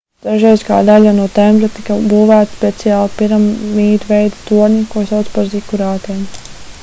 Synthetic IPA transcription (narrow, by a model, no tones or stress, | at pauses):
d̪̥aʒɛjzka̰ːd̪alʲanuɔt̪ɛmbɾat̪ikabuːvæːt̪spɛt̪sijaːlˠpiɾamːiːɾʲvɛjd̪at̪uɔɾnʲikuɔsawt̪spaɾzikuɾaːt̪ɛm